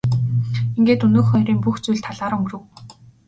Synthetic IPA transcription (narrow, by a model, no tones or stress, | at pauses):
iŋɡeːt̪ɵnoːxœɾiːmpuxt͡sujɮt̪ʰaɮaːɾɵŋɡ̆rɘ̆w